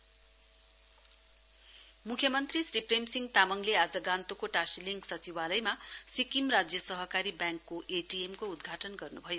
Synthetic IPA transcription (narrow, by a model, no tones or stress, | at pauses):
mukʰjʌmʌnt̪risripʰremsiŋɡt̪amʌŋlead͡zʌɡant̪okoʈasiliŋɡsʌt͡siwalʌjmasikimrad͡zjʌsʌɦʌkaɾibjaŋkːoʔeʈiemkoud̪ɡʱaʈʌnɡʌrnubʱʌjo